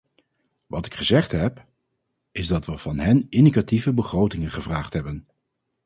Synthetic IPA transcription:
ʋɑtɪkχəzɛχtɦɛp | ɪzdɑtʋəv̥ɑnɦɛnɪndikativəbəχrowtɪŋənχəvraːχtɦɛbən

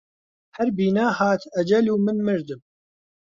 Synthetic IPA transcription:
hɛɾbiːnaːhaːt̪ʰɐd͡ʒɐluːmɨnmɨɾd̪ɨm

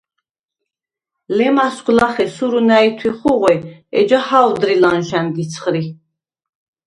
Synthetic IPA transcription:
lɛmasɡʷlaχɛsuɾunait̪ʰwiχuʁwɛɛ̰d͡ʒahawd̪ɾilanʃɛnd̪it͡sʰχɾi

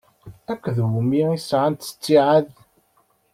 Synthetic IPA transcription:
ækʷːðwmiisʕant̪ə̥t͡sːiʕað

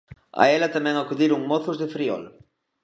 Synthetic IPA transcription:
a̰elɐt̪amɛ̃ŋakuðiɾuŋmoθʊzðefɾiɔ̰l

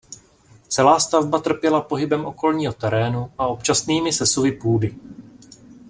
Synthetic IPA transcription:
t͡sɛlaːst̪avbat̪r̩pjɛlapo̞ɦɪbɛmʔo̞ko̞lɲiːɦo̞t̪ɛɾɛːnuʔao̞pt͡ʃasniːmɪsɛsuvɪpuːdɪ

